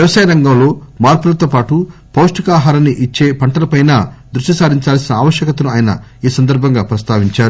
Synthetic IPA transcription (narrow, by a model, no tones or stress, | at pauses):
ʋjɐʋɐsaːjɐɾɐŋɡɐmlo̞ːmaːɾpulɐt̪opaːʈu | pɐwʂʈikaːɦaːɾɐniʔit͡ʃːe̞ːpɐɳʈɐlɐpɐjnaːd̪ɾuʂʈisaːd̪iɲt͡ʃaːlsinɐaːʋɐʃjɐkɐt̪ɐnuaːjɐnɐ̰iːsɐnd̪ɐɾbʱɐŋɡaːpɾɐst̪aːʋiɲt͡ʃaːɾu